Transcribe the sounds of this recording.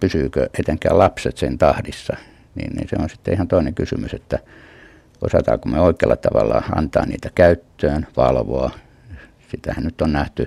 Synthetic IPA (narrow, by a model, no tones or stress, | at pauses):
pysyːkøet̪eŋkæ̰ːlɑpset̪siːnt̪ɑhdisːɑ | nḭːnnḭːnsḛonsit̪ːeihɑnt̪oineŋkysymyset̪ːæ | ʔo̰sɑt̪ɑ̰ːkummeoikeɑlːɑt̪ɑʋɑlːɑɑ̰nt̪ɑːnniːt̪ækæyt̪ːøːnʋɑlʋoɑ | sit̪æhænnyt̪ːonnæht̪y